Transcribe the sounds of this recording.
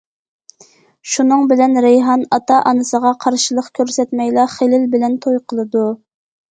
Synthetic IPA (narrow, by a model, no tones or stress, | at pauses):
ʃunɨŋbɪlɛnɾejɦɑnɑt̪ɑʔɑnɨsəʁɑqʰɑɾʃilˠəqkʲʰøɾsɛt̪mɛjlˠɑχelɪlbɪlɛnt̪ʰojqʰəlˠɨd̪u